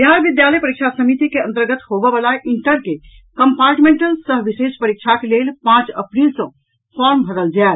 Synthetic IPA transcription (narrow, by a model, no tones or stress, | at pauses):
jaɾbid̪jaləjpəɾikt͡ʃʰasəmit̪ikeənt̪əɾɡət̪ɦobəbalaʔiɳʈəɾke | kəmpaɾʈmẽɳʈəlsəɦʋisespəɾik̚t͡ʃʰakelelpãt͡ʃə̰pɾilsə̃ | fʰɔɾmbʱəɾəld͡ʒael